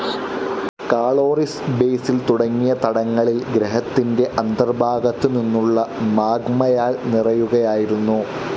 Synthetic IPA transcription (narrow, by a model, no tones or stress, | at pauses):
kaːɭoːrisbeːsilt̪uɽɐŋːijɐt̪ɐɽɐŋːɐɭilɡɾeɦɐt̪ːinde̞ʔɐnd̪ɐrbʱaːɡɐt̪ːɨninːuɭːɐmaːɡmɐjaːlnirɐjuɣɐjaːjiɾunːu